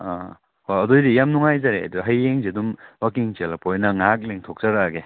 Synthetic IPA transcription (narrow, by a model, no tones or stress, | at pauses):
a | hojɐdojdijamnuŋajzaɾeɐ̰duɦɐjeŋzidumwakiŋzelapojnɐŋak̚leŋtʰok̚zaɾaɡe